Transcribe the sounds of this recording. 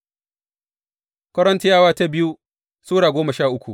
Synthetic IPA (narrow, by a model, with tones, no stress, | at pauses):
kʷɐ˦ɾɐ˦nti˦jaː˦waː˦ta˦bɪ˦ju˦ | suː˦ɽaː˨ɡʷoː˦mɐ˨ʃaː˦˨ʔʊ˦kʷu˨